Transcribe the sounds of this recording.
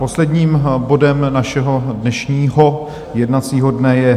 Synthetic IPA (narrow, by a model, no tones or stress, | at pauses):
po̞slɛdɲiːmbo̞dɛmnaʃɛɦo̞dnɛʃɲiːɦo̞ | jɛdnat͡siːɦo̞dnɛjɛ